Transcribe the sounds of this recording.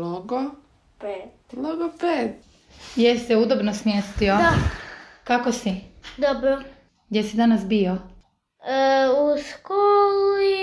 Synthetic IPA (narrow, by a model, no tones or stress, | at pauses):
loɡo | pet̪ | loɡopet̪ | jesseud̪obnosmʲjest̪io | kakosid̪obɾo | ɡd̪ʲjesid̪anasbio | uskoli